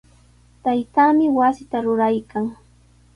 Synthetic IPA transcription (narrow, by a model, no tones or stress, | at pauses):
t̪ajt̪amɪwasɪt̪aɾʊɾajkaŋ